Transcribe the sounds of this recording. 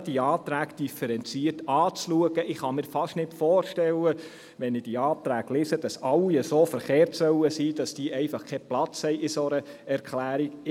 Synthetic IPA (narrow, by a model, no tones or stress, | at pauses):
d̥iɑːt̪ɾæːɡd̥ifəɾɛnt͡siːərtɑːt͡sluəɡəʔɪχɑmɪːɾfɑʃtnɪtfɔːrʃtɛlə | ʋɛnɪd̥iɑːt̪ɾæːɡlɪsəd̥ɑsɑlːiəsoːfəɾχeːrtsœwəsiːd̥ɑsd̥iːʔɛɪfɑχkʰɛplɑt͡shɛɪɪsɔɾə | ɛɾkχlæːɾi